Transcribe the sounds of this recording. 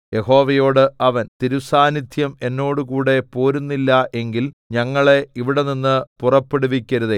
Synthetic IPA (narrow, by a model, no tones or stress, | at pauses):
je̞ho̞ːʋɐjo̞ːɽɨʔɐʋɐnt̪iɾusaːnid̪ʰʱjɐme̞nːo̞ːɽukuːɽe̞poːɾunːilːɐʔe̞ŋɡilɲɐŋːɐɭe̞iʋiɽe̞ninːɨpurɐpːeɽuʋikʲːɐɾuðe